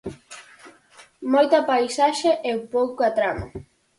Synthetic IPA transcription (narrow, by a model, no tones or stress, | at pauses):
mojt̪ɐpajsaʃeʔewpowkoat̪ɾama̰